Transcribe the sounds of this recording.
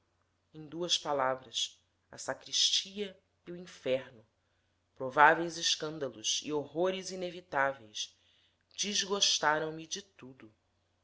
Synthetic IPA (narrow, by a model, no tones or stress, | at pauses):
ẽj̃d̪uɐspalavɾɐs | ɐsakɾiʃt͡ʃiɐ | iuĩfɛɾnʊ | pɾovavejzɪʃkɐ̃nd̪ɐlˠuzḭoɦoɾɪzinevit̪avejs | d͡ʒizɡoʃt̪aɾɐ̃w̃mid͡ʒɪt̪ud̪ʊ